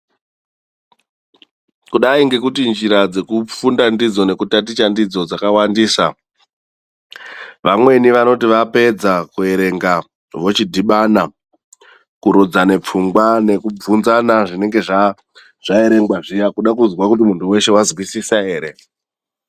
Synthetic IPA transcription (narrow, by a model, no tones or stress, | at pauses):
kuɗaiŋɡe̞kutind͡ʒiɾad͡ze̞kufundandid͡zo̞ne̞kutat̬it͡ʃandid͡zo̞d͡zakawandiːsa̰ | ʋamwe̞niʋano̞tiʋape̞d͡zakue̞ɾe̞ŋɡa | ʋo̞t͡ʃidʱiɓana | kuɾud͡zane̞p͡fuŋɡwane̞kub͡vunzanaʐine̞ŋɡe̞ʐa | ʐ̥ae̞ɾe̞ŋɡwaʐijakuɗakuzwakut̬imuntʰuwe̞ʃe̞wazwisisae̞ːɾe̞